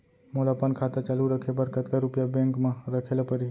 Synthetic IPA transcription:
molapənkʰat̪at͡ʃaluɾəkʰebəɾkət̪kaɾupjabẽŋkmaɾəkʰelapəɾi

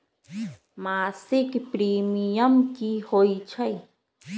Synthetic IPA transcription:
masikipɾimijamkihojt͡ʃʰaj

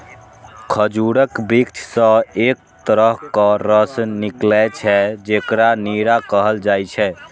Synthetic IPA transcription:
kʰəd͡ʒuɾəkbikt͡ʃʰsə̃ek̚t̪əɾəɦkəɾəsniklɛt͡ʃʰɛd͡ʒekɾaniɾakəɦəld͡ʒajt͡ʃʰɛ

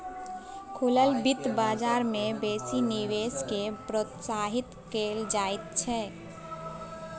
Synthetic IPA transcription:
kʰʊləlbɪt̪baːd͡ʒaːɾmẽbeːsiniweːskepɾot̪saːɦɪt̪keːld͡ʒaːɪt̪̚t͡ʃʰɛː

